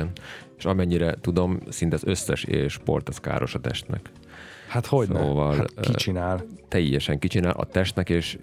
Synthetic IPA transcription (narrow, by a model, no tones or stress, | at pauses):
ɛneʃɒmɛɲːiɾɛt̪ud̪o̞msint̪ɛzøsːɛ̰ʃḛːʃpo̞̰rt̪ɛska̰ːɾʔo̞ʃɒt̪ɛ̰ʃt̪nɛ̰k | hat̪hoɟnoːvɒlakit͡ʃinaːlt̪ɛjːɛʃɛŋkit͡ʃinaːlʔɒ̰t̪ɛʃt̪nɛkeːʃ